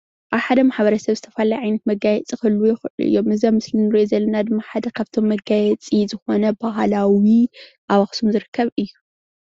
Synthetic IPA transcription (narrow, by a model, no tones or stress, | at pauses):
ʔaβħad̪ɐmaħbɐɾɐsɐβzɨt̪ʰɐfalajʕajnɐt̪̚mɐɡajɛt͡sʼixɨlːujɪxɨʔʔɨ̰jːomɨzamɨslinɨɾozɐlːɐnad̪ɨmːaħad̪ɐkʰaβt̪ʰo̞mːɐɡajɛt͡sʼizɨxo̞nɐbaɦlawi | ʔawaxsumzɨɾɨkʰːɐβɨjːu